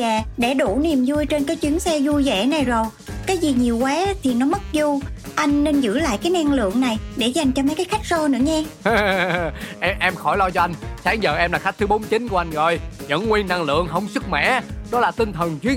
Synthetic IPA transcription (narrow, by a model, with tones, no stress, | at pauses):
aː˨˩ɗe˧˩ɗu˧˩ni˨˩əmzu˧jt͡ɕe˧nkaː˨˦jt͡ɕwi˨˦əŋsɛ˧zu˧jzḛ˧˩na˨˩jzo˨˩jkaː˨˦jzi˨˩ɲi˨˩əwkwaː˨˦t̪ʰi˨˩nɔ˨˦mə˦˥t̚zu˧ʔa˧jŋ̟ne˧nzɨ̰˧˥la̰ː˧˨jkaː˨˦jna˧ŋlɨ̰˧˨əŋna˨˩jɗe˧˩za˨˩jŋ̟t͡ɕɔ˧ma˨˦jkaː˨˦xa˦˥jk̟̚sɔ˧nɨ̰˧˥əɲɛ˧ | ʔɛ˧ʔɛ˧mxɔ˧˩jlɔ˧t͡ɕɔ˧ʔa˧jŋ̟saː˨˦ŋzə̰ː˨˩ʔɛ˧mlaː˨˩xa˦˥k̚t̪ɨ˨˦ɓo˨˦mt͡ɕï˨˦nku˧˩ʔa˧jŋzɔ˨˩jzə̰˧˥nŋwi˧ənːa˧ŋlɨ̰˧˨əŋɦə˧wŋ͡msɨ˦˥k̚mɛ̰˧˥ɗɔ˨˦laː˨˩t̪ï˧ŋ̟t̪ʰə˨˩nt͡ɕwi˨˦əŋ